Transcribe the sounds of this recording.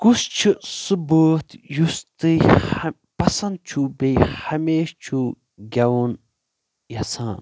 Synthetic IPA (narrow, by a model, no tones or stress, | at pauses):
kust͡ʃʰisuboːt̪just̪ɨ | pɐsɐnd̪̚t͡ʃʰubejhɐmeːʃt͡ʃʰu | ɡʲɐwun | jɐsaːn